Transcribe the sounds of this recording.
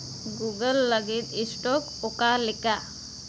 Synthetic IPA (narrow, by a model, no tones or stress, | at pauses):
ɡuɡəlːəɡit̪isʈokokalɪka